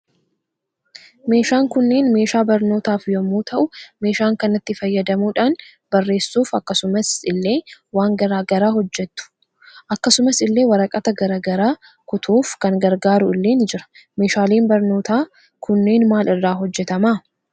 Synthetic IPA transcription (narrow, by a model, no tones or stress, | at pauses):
me̞ːʃaːŋkʊnːe̞ːnme̞ːʃaːbɐɾno̞ːt̪aːfjɔmːuːt̪ʰɐʔʊme̞ːʃaːŋkɐnɐt̪ːɪfɐjːɐd̪ɐmuːᶑaːn | b̥ɐrːe̞ːsːuːfɐkːɐsʊmɐsɪlːe̞ːwaːŋɡɐɾaːɡɐɾaːhɔd͡ʒːɛt̪ːʊ̥ | ʔɐkːɐsʊmɐsɪlːe̞ːwɐɾɐkʼɐt̪ɐɡɐɾaːɡɐɾaː | kʊt̪ʰuːfkɐŋɡɐɾɡaːɾʊɪlːeːnd͡ʒɪɾɐ̥me̞ːʃaːleːnbɐɾno̞ːt̪aː | kʊnːe̞ːnmaːlɪrːaːɦɔd͡ʒːɛt̪ɐmaː